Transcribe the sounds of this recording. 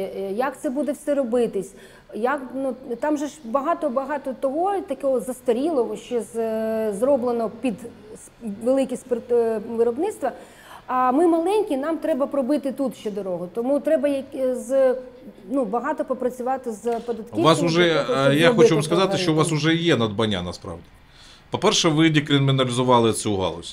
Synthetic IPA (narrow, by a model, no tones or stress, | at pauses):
jɐkt̪sɛbud̪ɛwsɛɾɔbɪt̪ɪsʲ | jɐknut̪ɑmʒɛʐbɐɦɑt̪ɔbɐɦɑt̪ɔt̪ɔɦɔt̪ɐkɔɦɔzɐst̪ɐɾʲilˠɔɦɔʃt͡ʃɛzzrɔblˠenɔpʲid̪ | ʋelˠɪkʲisʲtʲp̪ʋɪɾɔbnɪt̪st̪ʋɐ | ɐmɪmɐlˠɛnʲkʲinɑmt̪ɾɛbɐpɾɔbɪt̪ɪt̪ut̪ʃt͡ʃɛd̪ɔɾɔɦɔt̪ɔmut̪ɾɛbɐjɐkz | nubɐɦɑt̪ɔpɔpɾɐt͡sʲʊʋɑt̪ɪzpɔd̪ɐt̪kʲiʋasʊʒɛjaxɔt͡ʃuʋamskɐzɑt̪ɪʃt͡ʃɔʋasʊʒɛjɛnɐd̪bɐnʲːa̰nɐspɾɑ̰ʋdʲi | pɔpɛrʃɛʋɪdʲikɾʲɪnmʲinɐlʲɪzʊʋɑlˠɪt̪sʲuɦa̰lˠɔ̰sʲ